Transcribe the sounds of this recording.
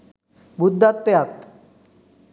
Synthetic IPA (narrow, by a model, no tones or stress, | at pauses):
bud̪ʱːat̪ːejat̪